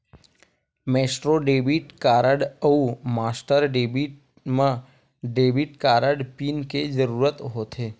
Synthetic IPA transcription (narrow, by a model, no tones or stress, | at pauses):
meːsʈɾoɖeːbiʈkaːɾəɖəumaːsʈəɾɖeːbiʈ | mə̃ | ɖeːbiʈkaːɾəɖpiːnked͡ʒəɾuːɾət̪ɦoːt̪eː